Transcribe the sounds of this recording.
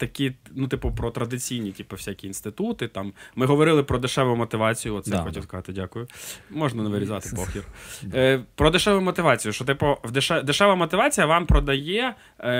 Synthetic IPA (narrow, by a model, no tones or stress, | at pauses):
t̪ɐkʲinut̪ɪpʊpɾɔt̪ɾɐd̪ɪt͡sʲijnʲitʲipɐwsʲakʲiːnst̪ɪt̪ut̪ɪt̪ɑmːɪɦɔʋɔɾɪlˠɪpɾɔd̪ʊʃɛʋʊjʊmɔt̪ɪʋɑt͡sʲijʊɔt̪sɛjxɔtʲiwskɐzɑt̪ɪdʲakʊjʊmɔʒnɐnɐʋɪɾʲizɑt̪ɪpɔxʲjʲir | pɾɔd̪ɪʃɛʋʊjʊmɔt̪ɪʋɑt͡sʲijʊʃt͡ʃɔt̪ɪpɔʋd̪eʃɛd̪eʃɛʋɐmɔt̪ɪʋɑt͡sʲijɐʋɑmpɾɔd̪ɐjɛ